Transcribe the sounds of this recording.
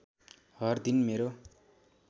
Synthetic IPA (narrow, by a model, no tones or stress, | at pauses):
hʌrd̪inmeɾo